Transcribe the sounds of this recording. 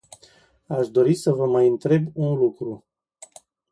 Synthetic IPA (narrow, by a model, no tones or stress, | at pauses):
aʃd̪o̞ɾisəvəmajɨnt̪ɾe̞bunlukɾu